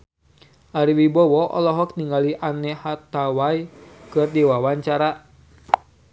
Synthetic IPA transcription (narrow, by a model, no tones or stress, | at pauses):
ʔaɾiwibɔwɔʔɔ̰lɔɦɔk̚niŋɡaliʔanɛhat̪awajkɨrdiwawaɲt͡ʃaɾa